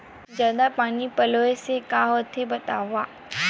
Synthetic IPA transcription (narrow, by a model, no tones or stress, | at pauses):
d͡ʒəd̪apaːnipɐloːesekaɦot̪ʰebɐt̪a̰ːʋaː